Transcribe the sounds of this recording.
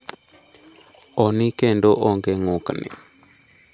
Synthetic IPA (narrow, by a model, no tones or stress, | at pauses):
ɔnikɛndoʔɔŋɡeŋuknḭ